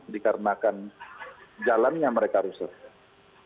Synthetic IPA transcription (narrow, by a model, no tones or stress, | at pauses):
dikaɾənakan | d͡ʒalanjaŋməɾekaɾusa̰t̪̚